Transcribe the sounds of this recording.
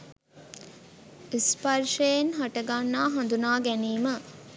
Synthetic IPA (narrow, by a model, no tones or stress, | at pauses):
ispaɾʂejenɦaʈəɡanːaːɦand̪unaːɡæniːmə